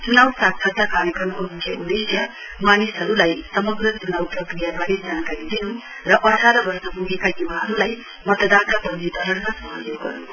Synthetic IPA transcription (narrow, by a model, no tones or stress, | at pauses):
t͡sunawsak̚sʰʌd̪akaɾjʌkrʌmkomikʰjʌud̪esjʌ | manisɦʌɾulajsʌmʌɡrʌt͡sunawprʌkrijabaɾed͡zankaɾid̪inu | rʌʔʌʈʰaɾʌbʌrsʌpuɡekajubaɦʌɾulaj | mʌt̪d̪at̪apʌndit̪ʌɦʌrmasʌmʌinuɡʌ̰rnu